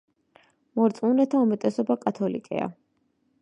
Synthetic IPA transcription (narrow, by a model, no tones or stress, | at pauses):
mɔɾt̪sʼmunɛt̪ʰaumɛt̪ʼɛsɔbakʼat̪ʰɔlḭkʼɛ̰a̰